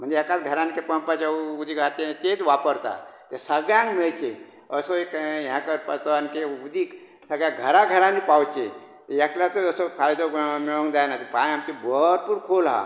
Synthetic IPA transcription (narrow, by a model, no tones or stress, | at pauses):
m̤ənd͡ʒeekat̪ɡʱəɾãnkepəmpat͡ʃaud̪ʱiɡʱat̪et̪et̪ʋapəɾt̪a̰t̪esəɡɭjãŋkmeɭt͡ʃe | əsoekjãkəɾpət̪ʋankeud̪iːk | səɡjãɡʱəɾaɡʱəɾanipawt͡ʃe | t̪jakljat̪oəsofʰajd̪omeɭõŋɡd̪ajnat̪epaĩɦamkebəɾpuːɾkʰolɦa̰